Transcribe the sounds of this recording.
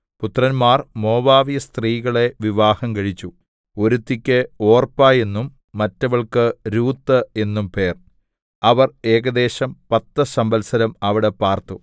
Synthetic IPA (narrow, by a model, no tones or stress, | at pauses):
put̪rɐnmaːrmo̞ːbaːʋijɐst̪riːɣɐɭe̞ʋiʋaːhɐmkɐɻit͡ɕːu | o̞ɾut̪ːikʲːeo̞ːrpaːje̞nːumː | ɐtːɐʋɐɭkɨɾuːt̪ːɨe̞nːumpe̞ːr | ɐʋɐre̞ːɣɐd̪e̞ːɕɐmpɐt̪ːɐsɐmbɐlsɐɾɐmɐʋiɽe̞paːrt̪u